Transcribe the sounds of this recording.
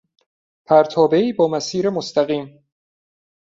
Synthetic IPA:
pʰæɾt̪ʰɒːbe̞iːbɒːmæsiːɾemost̪æɣiːm

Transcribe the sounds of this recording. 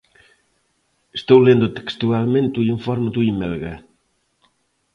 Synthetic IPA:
est̪owlend̪ʊt̪e̥kst̪ualmẽnt̪uiɱfɔɾmeðuimelɣa̰

